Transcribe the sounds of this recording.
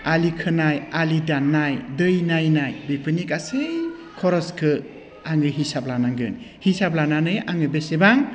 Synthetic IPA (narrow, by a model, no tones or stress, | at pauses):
alikʰɯnajalidanːajdɯjnajnajbepʰɯnikasɯj | kʰɔɾɔskʰɯ | aŋɯɦisap̚lanaŋɡɯ̰n | hisap̚lananɯjaŋɯbesebaŋ